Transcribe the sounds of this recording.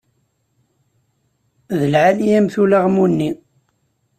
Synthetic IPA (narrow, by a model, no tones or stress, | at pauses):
ðəlʕaliæmθulaʁmunːi